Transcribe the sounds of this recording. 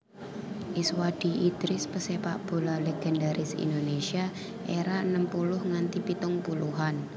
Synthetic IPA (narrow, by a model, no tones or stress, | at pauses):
ʔɪswad̪̥i̤id̪̥ɾɪspəsepaʔb̥o̤laleɡ̥ɛndaɾʔɪsḭndonesia | ʔeɾaənəmpulʊhŋant̪ipit̪ʊŋpuluɦan